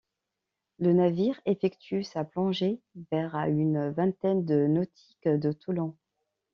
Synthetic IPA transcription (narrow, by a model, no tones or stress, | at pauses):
lənaviʁefɛkt̪ʰysaplɑ̃ʒevɛʁaynvɛ̃t̪ɛnd̪ənɔt̪ʰi̥kd̪ət̪ʰulɑ̃